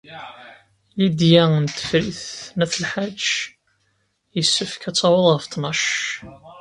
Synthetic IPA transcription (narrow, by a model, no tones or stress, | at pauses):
lid̪jæənt̪ːə̥fɾiθnæθəlħad͡ʒː | jəsːəfkæt͡sːɑwəðˤʁəft̪nɑʃ